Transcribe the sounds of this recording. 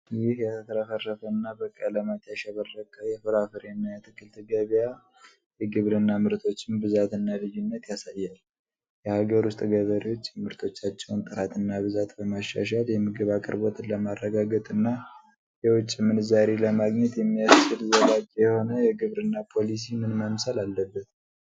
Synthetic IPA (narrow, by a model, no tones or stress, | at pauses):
jɪhjɛt̪ʰəfɾafərːəfənːabəkʼələmat̪jaʃɛβərːəkʼjɛfɨɾafɨɾɛnːajɛt̪ʰɨkʰːɨlt̪ʰɨɡəβja | jɛɡɨβɾɨnːamɨɾt̪ʰo̞t͡ʃːɪmbɨzat̪ɨnːalɨjɪnːət̪jasajːal | jɛhaɡəɾʊst̪ʼɡəβəɾiwo̞t͡ʃːjɛmɨɾt̪ʰo̞t͡ʃːat͡ʃːɛwnt̪ʼɨɾat̪ʰɨnːaβɨzat̪bəmaʃːa̰ʃaljɛmɨɡɨβakʼɨ̰ɾbot̪ʼləmarːəɡaɡət̪ʼɨnːa | jɛwʊt͡ʃʼːimɨnɨzaɾeləmaɡɲɛt̪jɛmːijast͡ʃːɨlɨzəɡad͡ʒʼjɛho̞nəjɛɡɨβɾɨnːapʰo̞lis̬imɨnməmsalalːəbːət̪